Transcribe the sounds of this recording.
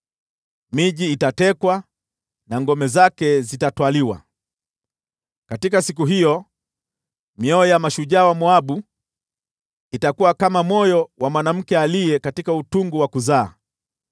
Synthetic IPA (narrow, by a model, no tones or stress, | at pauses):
miʄiːtatɛkwa | naŋɡɔmɛzakɛzitatwaliwa̰ | katikasik̬uɦijɔ | miɔɛjamaʃuʄaːwamuaɓu | itakuwakamamɔjɔwamwanam̩kɛalijɛkatikautuŋɡuwakuzaː